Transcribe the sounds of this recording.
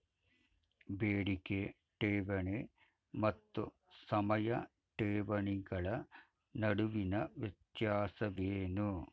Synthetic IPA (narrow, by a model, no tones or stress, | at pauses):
beːɽike | ʈeːʋɐɳe | mɐt̪ːu | sɐmɐjɐ | ʈeːʋɐɳiɡɐɭɐ | nɐɽuʋinɐʋet̪jaːsɐʋeːnu